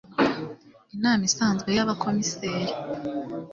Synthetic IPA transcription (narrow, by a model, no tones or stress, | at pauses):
inaːmisaːnzɡwe̞jaβakʰo̞miseːɾe